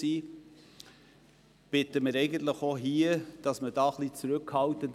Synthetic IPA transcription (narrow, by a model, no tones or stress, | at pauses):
iː | b̥ɪtəmɪɾɛɪɡən̩t̪ləχoɦiəd̥ɑsməd̥ɑːχlit͡sɾʏkhɑltənd